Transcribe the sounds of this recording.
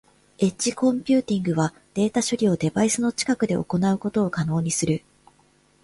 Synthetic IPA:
e̞tt͡ɕikõ̞mpʲɨːt̪ʲĩŋɡɯ̟βa | d̪̥e̞ːt̪aɕo̞ɾʲio̞d̪e̞baisɨno̞t͡ɕi̥kakɯ̟d̪e̞ʔo̞̰ko̞naɯ̟ko̞t̪o̞ːkano̞ːɲ̟isɨɾɯ̟

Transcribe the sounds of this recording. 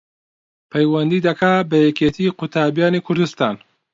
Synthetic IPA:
pʰɐjwɐnd̪iːd̪ɐkʰaːbɐjɛket̪ʰiːqʊt̪ʰaːbijaːniːkʰʊɾd̪ust̪aːn

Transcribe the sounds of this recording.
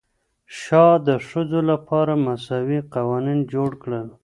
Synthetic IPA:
ʃɑd̪əʂəzolapʰɑɾamasɑwiqawɑnind͡ʒoɽkɽəl

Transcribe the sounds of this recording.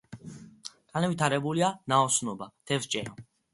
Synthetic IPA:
k̪ʼanɛvit̪ʰaɾɛbulianaɔsnɔbad̪̥ʰɛvt͡ʃʼɛnɔ

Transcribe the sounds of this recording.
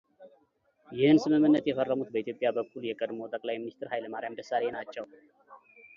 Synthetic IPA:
jɪhɨnsɨmɨmːɨnːət̪jɛfərːəmut̪bəit̪ʰjo̞pʼːjabəkʰːuljɛkʼəd̪mot̪ʼəkʼlajminist̪ʰʼɨɾhajləmaɾjamd̪əsːalenat͡ʃːɛw

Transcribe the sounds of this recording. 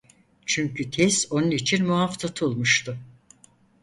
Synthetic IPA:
t͡ʃʰyɲcyt̪ʰɛso̞nunit͡ʃʰinmuaft̪ʰat̪ʰulˠmuʃt̪ʰʊ

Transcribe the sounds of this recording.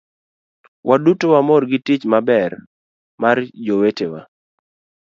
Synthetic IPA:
wʔadutowamɔrɡɪtɪt͡ʃmabɛr | mard͡ʒowetewa̰

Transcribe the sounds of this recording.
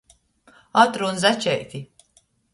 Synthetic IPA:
at̪ɾunzæt͡ʃʲɛjt̪ʲi

